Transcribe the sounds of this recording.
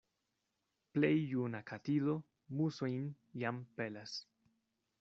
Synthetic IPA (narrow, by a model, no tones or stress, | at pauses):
plejːunakʰatido̞ | musojn | jampe̞las